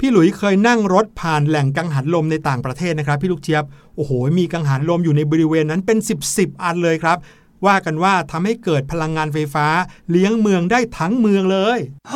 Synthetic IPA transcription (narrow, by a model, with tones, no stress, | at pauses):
pʰiː˥˩lu˩˦jkʰɤː˧jna˥˩ŋɾo˦˥t̪̚pʰaː˨˩nlɛ˨˩ŋka˧ŋɦa˩˦˥t̪̚lo˧mna˧jt̪aː˨˩ŋpɾa˧t̪ʰeː˥˩t̪̚n˦˥kʰɾa˦˥pʰːiː˥˩lu˥˩k̚t͡ɕʰi˦˥əp̚ | ʔoː˨˩hoː˩˦miː˧ka˧ŋɦa˩˦˥t̪̚lo˧mjuː˨˩na˧jbɔː˧ɾi˦˥weː˧nːa˦˥npe˧nsi˨˩p̚si˨˩p̚ʔa˧nlɤː˧jkʰɾa˦˥p̚ | waː˥˩ka˧nwaː˥˩t̪ʰa˧mha˥˩jkɤː˨˩t̪̚pʰa˧la˧ŋːaː˧nfa˧jfaː˦˥li˦˥əŋmɯ˧əŋdaː˥˩jt̪ʰa˦˥ŋmɯ˧əŋlɤː˧j